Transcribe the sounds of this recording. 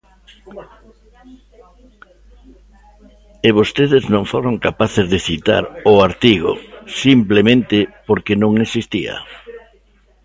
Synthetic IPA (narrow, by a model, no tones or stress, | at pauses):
eβost̪eðɪznõŋfoɾoŋkapaθezðeθit̪a̰ɾʊaɾt̪iɣʊ̰simplemẽnt̪ɪpoɾkenõŋesist̪ia̰